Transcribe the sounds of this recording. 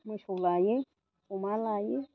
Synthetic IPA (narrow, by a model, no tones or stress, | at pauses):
muʃulaje | umalaje